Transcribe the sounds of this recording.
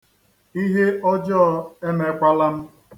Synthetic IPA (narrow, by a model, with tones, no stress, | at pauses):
i˦ɦe˦ɔ˦d͡ʒɔ˦˨e˦me˨kʷa˦la˦m̩˦